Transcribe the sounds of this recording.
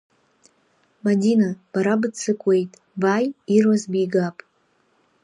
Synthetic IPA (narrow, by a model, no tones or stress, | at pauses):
madʲinab̥aɾabɨt͡sʰɨkʷʼejtʼ | bajirwazbijɡapʼ